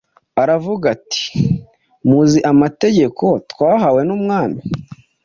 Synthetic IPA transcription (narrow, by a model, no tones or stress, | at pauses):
aɾavuɡati̥ | muziʔamate̞ɟe̞kʰo̞tkwaːɦawe̞numŋaːni